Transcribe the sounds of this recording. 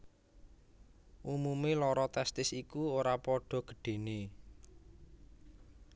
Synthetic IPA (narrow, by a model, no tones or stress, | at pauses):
ʔumumelɔɾɔt̪ɛst̪ɪsikuoɾapɔɖ̥ɔ̤ɡ̥ə̤̥ɖ̥e̤ne